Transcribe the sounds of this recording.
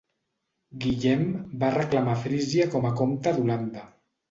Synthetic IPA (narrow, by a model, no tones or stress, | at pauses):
ɡiʎɛmbarəklamafɾiziəkɔməkomt̪əd̪uland̪ə